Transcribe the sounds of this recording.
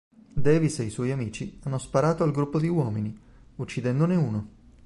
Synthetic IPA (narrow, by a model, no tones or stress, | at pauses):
d̪ɛːviseiswɔjamiːt͡ʃianːospaɾaːt̪oalɡɾupːod̪iwɔːmini | ut͡ʃːid̪ɛnd̪oneuːno